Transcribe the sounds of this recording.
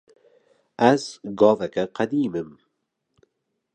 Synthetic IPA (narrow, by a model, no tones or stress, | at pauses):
ʔæzɡɑːvɛkɛqæd̪iːmɨm